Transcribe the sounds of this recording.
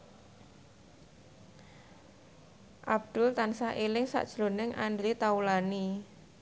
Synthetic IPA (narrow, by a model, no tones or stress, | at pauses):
ʔab̚d̪̥ʊ̤lt̪ansahʔelɪŋsa̰ʔd̥ʒ̥ɾonɪŋʔand̪ɾit̪aulani